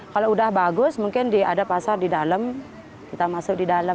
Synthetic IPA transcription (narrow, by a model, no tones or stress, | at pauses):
kaloudahbaɡʊsmuŋkɪndia̰dapasardidaləm | kit̪amasʊk̚didalə